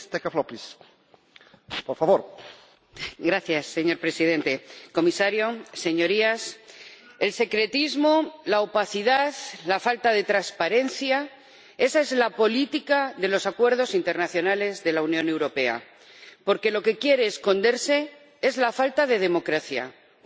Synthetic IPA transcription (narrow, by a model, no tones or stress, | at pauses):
st̪ekaflopis | poɾfaβoɾ | ɡɾaθjasːe̞ɲo̞ɾpɾe̞sið̞e̞nt̪e̞ko̞misaɾjo̞se̞ɲo̞ɾias | e̞lse̞kɾe̞t̪izmolaopaθiðaðlafalt̪að̞e̞t̪ɾaspaɾe̞nθja | e̞sae̞zlapo̞lit̪ikaðe̞lo̞sakwe̞ɾðo̞sint̪e̞ɾnaθjo̞nale̞zðe̞launjõ̞ne̞wɾo̞pe̞a̰ | po̞ɾke̞lo̞ke̞kje̞ɾe̞ːsko̞nd̪e̞ɾse̞ | e̞zlafalt̪aðe̞ðe̞mo̞kɾaθja̰